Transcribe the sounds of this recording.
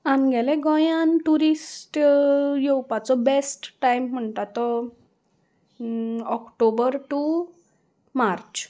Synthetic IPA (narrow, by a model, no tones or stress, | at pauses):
anɡʱɛlẽɡɔ̃jãnʈuɾisʈjewpat͡sɔbesʈːajm̤ːəɳt̪at̪ːɔ | ɔkʈobəɾʈu | maɾt͡ɕ